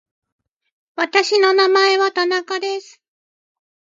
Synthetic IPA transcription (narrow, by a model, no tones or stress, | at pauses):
βat̪aɕino̞namae̞βat̪anakad̪e̞sɨ̥